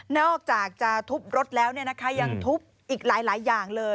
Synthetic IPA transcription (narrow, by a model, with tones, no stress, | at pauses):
nɔː˥˩k̚t͡ɕaː˨˩k̚t͡ɕa˨˩t̪ʰu˦˥p̚ɾo˦˥t̪̚lɛː˦˥wni˥˩ɐna˦˥kʰa˦˥ja˧ŋt̪ʰu˦˥p̚ | ʔiː˨˩k̚laː˨˩˦jlaː˩˦jːaː˨˩ŋlɤː˧